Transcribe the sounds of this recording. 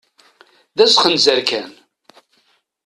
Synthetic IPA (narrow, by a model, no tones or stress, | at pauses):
ðæsχənzæɾkæn